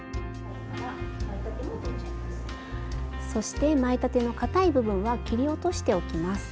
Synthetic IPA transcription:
so̞ɕi̥t̪e̞maet̪at̪e̞no̞kat̪aibɯ̟bɯ̟̃ɰ̃βakʲiɾʲio̞t̪o̞ɕi̥t̪e̞o̞kʲimasɨ̥

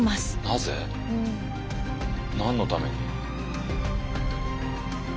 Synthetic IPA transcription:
masɨ̥nazḛ | ɯ̟̃ | nãnːo̞t̪ame̞ɲ̟i

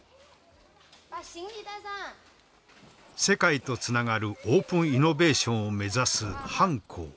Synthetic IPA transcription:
paɕiŋid̪aza | se̞kait̪o̞t͡sɨnaɡaɾɯ̟o̞ːpɯ̟̃ɰ̃ino̞be̞ːɕõ̞ɰ̃ome̞zasɨhãŋkʰo̰ː

